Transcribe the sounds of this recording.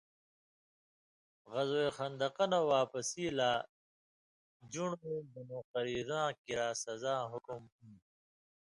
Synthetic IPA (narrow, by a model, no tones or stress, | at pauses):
ɣɐzoexɐnd̪ɐqʌnawaːpɐsiːlaː | d͡ʑuɳebɐnoːqɐɾiːɾãːkiɾaːsɐzaːɦʊkumhũː